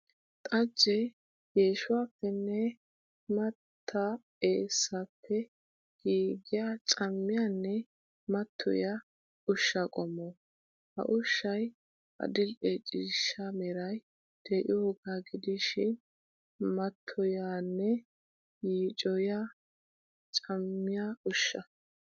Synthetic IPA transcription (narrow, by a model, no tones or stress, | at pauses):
t̪ʼɐd͡ʒːɛ | jeːʃʊwaːpːɛnːɛ | mɐt̪ʰːɐ | eːsːɐpʰːɛ | ɡ̥iːɡɪjat͡sʼɐmːɪjanːɛ | mɐt̪ʰːɔ̰ja | ʊʃːɐkʼɔmːɔ | hɐ̰ʔʊʃːɐj | ʔɐ̰d̪ɪlʔet͡ʃʼɪːʃːamɛɾɐj | d̪̥eːʔɪ̰oɡaːɡɪd̪ɪʃɪn | mɐt̪ʰːɔjaːnːɛ | jiːt͡ʃʼɔja | t͡ʃʼɐmːɪjaʊʃːɐ